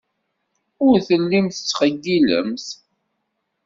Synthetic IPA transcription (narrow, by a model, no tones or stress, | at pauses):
ʊɾθəlːimθət͡sːχəɡːilə̰mθ